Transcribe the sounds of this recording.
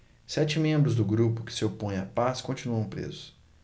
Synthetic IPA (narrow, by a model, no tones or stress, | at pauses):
sɛt͡ʃɪmẽmbɾʊzd̪ʊɡɾupʊkɪ̥sɪopõj̃ɐpaskõnt͡ʃinuɐ̃w̃pɾḛzʊs